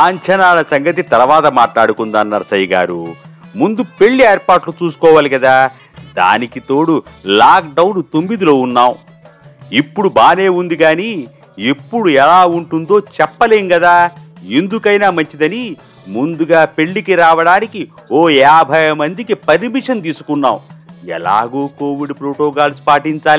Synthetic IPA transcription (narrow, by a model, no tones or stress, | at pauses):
aːɲt͡ʃɐnaːlɐsɐŋɡɐt̪it̪ɐɾɐʋaːt̪ɐmaːʈlaːɽukund̪aːnːaːɾsɐjiɡa̰ːɾumund̪upe̞ɭːieːɾpaːʈlut͡ʃuːsu̥kɔːʋaːlikɐd̪aː | d̪a̰ːnikit̪o̞ːɽulaːk̚ɖɐwnt̪omːid̪ilo̞ːunːaːw | ipːuɽubaːne̞ːund̪iɡaːni | epːuɽuɛlaːuɳʈund̪o̞ːt͡ʃɛpːɐle̞ːŋɡɐd̪aːend̪ukɐjnaːmɐɲt͡ʃid̪ɐni | mund̪uɡaːpe̞ɭːikiɾaːʋɐɽaːnikioːɛːbʱɐjɐmɐnd̪ikipɐɾimiʂɐnt̪̬iːsu̥kunːa̰ːwuɛ̰la̰ːɡoːko̞ːʋiɖpɾoːʈɔːɡaːlsu̥paːʈiɲt͡ʃaːli